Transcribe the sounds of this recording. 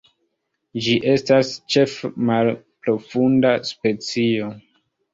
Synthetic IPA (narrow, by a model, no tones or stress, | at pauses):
d͡ʒiʔe̞stast͡ʃe̞fmal | pɾo̞fundaspe̞t͡sio̞